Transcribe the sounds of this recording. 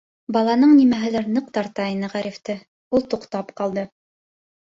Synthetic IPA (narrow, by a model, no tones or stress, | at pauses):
bɑlˠɑnɤɴnimæɦɘ̆læɾnɤq̚t̪ɑɾt̪ɑinɤʁæɾift̪ɘ | ulˠt̪uqt̪ɑpqɑlˠd̪ɤ